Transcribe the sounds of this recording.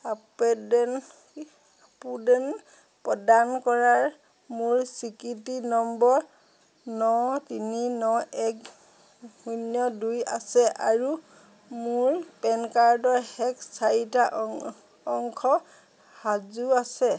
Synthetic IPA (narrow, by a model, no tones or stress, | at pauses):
apɛdɛn | apudɛn | pɔdankɔɹaɹ | mʊɹsikitinɔmbɔɹ | nɔtininɔɛk | hunjɔduja̰sɛʔa̰ɹu | mʊɹpɛnkaɹdɔɹhɛksaitaʔ | ɔŋkʰɔ | hazuasɛ